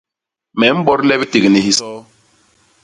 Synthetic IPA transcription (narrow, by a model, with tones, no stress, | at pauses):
mɛ˨˦m̩˦bɔ˦ɾlɛ˦bi˦ti˨ɣni˨hi˨sɔː˦